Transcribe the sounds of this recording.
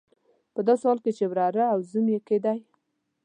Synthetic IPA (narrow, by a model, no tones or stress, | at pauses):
pəd̪ɑsohɑlket͡ʃewɾɑɾaawzumjeked̪aj